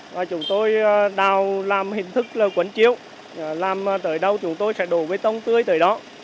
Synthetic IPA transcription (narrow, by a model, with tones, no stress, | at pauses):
vaː˨˩t͡ɕʊ˨˦ŋ͡mt̪o˧jɗaː˨˩wlaː˨˩mhï˨˩ŋ̟t̪ʰɨ˦˥k̚ləː˨˩kwə˨˦nt͡ɕi˧˨əw | laː˨˩m˨t̪əː˨˩jɗə˧wt͡ɕʊ˨˦ŋ͡mt̪o˧jsɛ̰˧˥ɗo˧˩vəː˨˦jt̪ə˧wŋ͡mt̪ɨ˧əjt̪əː˨˩jɗɔ˨˦